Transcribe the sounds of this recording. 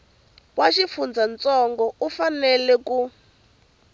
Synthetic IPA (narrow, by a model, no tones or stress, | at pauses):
waʃifund͡zʱant͡sʼɔŋɡɔufanɛlɛku